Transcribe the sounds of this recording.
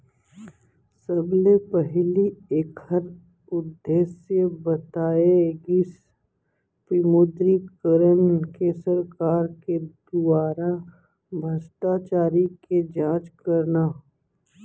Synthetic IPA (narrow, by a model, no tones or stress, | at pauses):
səblepəɦlieːkhəɾ | ʊd̪ːeːsjəbət̪aːeɡɪs | pɪmʊd̪ɾikəɾənkesəɾkaːɾked̪ʊaːɾa | bʱəst̪at͡ʃaːɾiked͡ʒãːt͡ʃkəɾna